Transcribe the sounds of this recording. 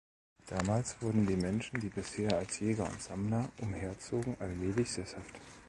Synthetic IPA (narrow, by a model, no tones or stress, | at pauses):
d̥aːmaːlsv̥ʊɐdn̩diːmɛnʃn̩diːbɪsheːɐalsjɛːɡɐʊ̰ntz̥amnɐʔʊmheːɐt͡soːɡŋ̩ʔalmeːlɪçz̥eɐshaft